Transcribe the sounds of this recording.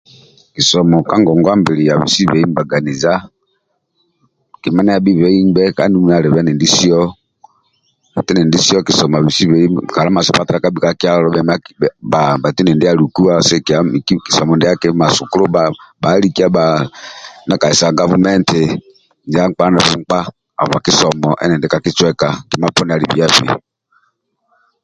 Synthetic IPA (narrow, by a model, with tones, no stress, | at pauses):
ki˨sɔ˨mɔ˨ka˦ŋɡɔ˨ŋɡwa˦mbi˨ɾi˨ja˨βḭ˨si˦βɛ˨˦i˦m˦ba˨ɡa˨ni˨za˦ | ki˨ma˦na˦ja˨bi˦βɛ˨˦i˦mbɛ˦ka˨˦ndi˦mu˦a˨ɾɛ˨βɛ˦nɛ˨ndi˦si˦ɔ˦ | ba˨ti˦nɛ˨ndi˦si˦ɔ˦ki˨sɔ˨m˨a˨βi˨si˦βɛ˨i˦ka˨ɾa˦ma˨sɔ˨pa˦ta˦a˨˦ka˦bi˨ka˦ki˦a˦lɔ˦bɛ˨ma˦ba˨ba˨ti˦nɛ˨ndi˦a˨ɾu˨ku˦a˦˨sɛ˦ka˨˦ki̥˨sɔ˨mɔ˨ndɛ˦a˦kɛ˦ma˨su˨ku˦ɾɔ˦ba˦ba˨˦ɾi˦ki˦a˦ba˨ | na˦ka˨i˨sa˨ɡa˦vu˦mɛ˦ntɛ˨ | ndi˨a˦ŋk͡pa˦nɛ˨βu˦ŋ̩˦k͡pa˦ | a̰˨va˨ki˦sɔ˨mɔ˨ʔɛ̰˦nɛ˨ndɛ˨ka˨ki˦t͡ʃwɛ˦ka˨ki˨˦ma˦pɔ˦n˨a˨ɾi˨βi˨˦a˦fḭ˨